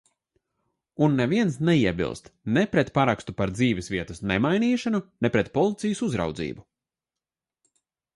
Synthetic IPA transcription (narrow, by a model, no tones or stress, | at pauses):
unːeviɛnsnɛiɛbḭlˠst̪nepɾɛt̪paɾakst̪upaɾd̪ziːvɛsviɛt̪ɐsnemajniːʃanunɛpɾɛt̪pɔlˠit̪sijusuzɾa̰wd̪zḭːbu